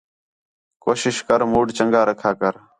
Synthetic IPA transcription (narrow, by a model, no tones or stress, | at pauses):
koːʃɪʃkəɾmuːɖt͡ʃəŋɡaːɾəkʰaːkəɾ